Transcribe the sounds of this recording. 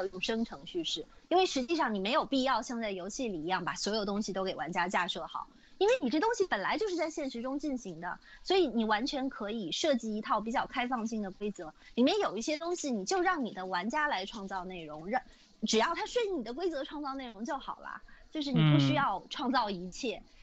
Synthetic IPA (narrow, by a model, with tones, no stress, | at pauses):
o˨˩i˥˩ʈ͡ʂʊ˨˩ŋʂɤ˥ŋʈ͡ʂʰɤ˧˥ŋɕy˥˧ʂɻ̩˥˩i˥nwe˥˩ɪʂɻ̩˧˥t͡ɕi˥˧ʂɑ˥˩ŋni˨˩me˧˥ɪjo˨˩ʊpi˥˧jɑ˥˧ʊɕjɑ˥˧ŋt͡sa˥˩ɪjo˧˥ʊt͡ɕʰi˥˩li˨˩i˧˥jɑ˥˩ŋpa˨˩swɔ˧˥jo˨˩ʊt̪ʊ˥ŋɕi˨t̪o˥ʊke˨˩ɪwa̰˧˥nt͡ɕja˥t͡ɕja˥˧ʂɤ˥˩xɑ̰˨˩˦ʊ | i˥nwe˥˩ɪni˨˩ʈ͡ʂɤ˥˩t̪ʊ˥ŋɕi˨pə˨˩nla˧˥ɪt͡ɕjo˥˧ʊʂɻ̩˥˧t͡sa˥˧ɪɕjɛ˥˩nʂɻ̩˧˥ʈ͡ʂʊ˥ŋt͡ɕi˥˩nɕi˧˥ŋd̪ə̰˧ | swɔ˧˥i˧˩ni˨˩wa˧˥nt͡ɕʰɥɛ˧˥nkʰɤ˧˥i˨˩ʂɤ˥˧t͡ɕi˥˩i˧˥t̪ʰɑ˥˩ʊp̬i˨˩t͡ɕjɑ˥˩ʊkʰa˥ɪfɑ˥˧ŋɕi˥˩ŋd̪ə˩kwe˥ɪt͡sɤ˧˥ | li˨˩mjɛ˥˩njo˨˩ʊi˥˩ɕjɛ˥t̪ʊ˥ŋɕi˨ni˨˩t͡ɕjo˥˧ʊɻɑ˥˩ŋni˨˩d̪ə˦wa˧˥nt͡ɕja˥la˧˥ɪʈ͡ʂʰwɑ˥˧ŋt͡sɑ˥˧ʊne˥˩ɪɻʊ˧˥ŋɻ | ʈ͡ʂɻ̩˨˩jɑ˥˩ʊt̪ʰa˥ʂwe˥˩ɪ˥˩ni˨˩d̪ə˦k̬we˥ɪt͡sɤ˧˥ʈ͡ʂʰwɑ˥˧ŋt͡sɑ˥˧ʊne˥˩ɪɻʊ˧˥ŋt͡ɕjo˥˩ʊxɑ̰˨˩ʊlɐ̰˦t͡ɕjo˥˧ʂ̬ɻ̩˥˩ni˨˩pu˥˩ɕy˥jɑ˥˧ʊʈ͡ʂʰwɑ˥˧ŋt͡sɑ˥˩ʊi˧˥t͡ɕʰjɛ˥˩